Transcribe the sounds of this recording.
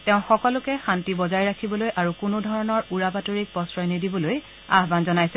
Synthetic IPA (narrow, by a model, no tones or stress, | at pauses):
tɛʊ̃xɔkɔlʊkɛxantibɔzajɹakʰibɔlojʔaɹukʊnodʱɔɹɔnɔɹuɹapatoɹik̚pɔsɹɔjnidibɔloj | a̰ɦbanzɔnajsɛ